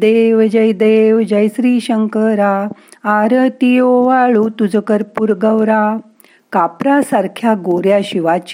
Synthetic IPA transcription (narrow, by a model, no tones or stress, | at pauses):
d̪eʋd͡ʑəjd̪eːʋd͡ʑəjsɾiːɕəŋkəɾa | aɾət̪ijoʋaɭut̪ud͡zəkəɾpuɾɡəʋɾa | kapɾasaɾkʰjaɡoɾjaɕiʋat͡ɕ